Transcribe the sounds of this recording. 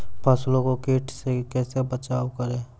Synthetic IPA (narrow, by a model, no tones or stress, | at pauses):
pʰəslõːkokeːʈsekɛːsebət͡ʃaːwkəɾẽː